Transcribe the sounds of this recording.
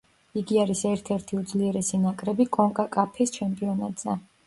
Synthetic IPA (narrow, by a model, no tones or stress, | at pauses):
iɡiaɾisɛɾt̪ʰɛɾt̪ʰiud̪zliɛɾɛsinakʼɾɛbikʼɔŋkʼakʼapʰist͡ʃʰɛmpʼiɔnat̪ʼz̥ɛ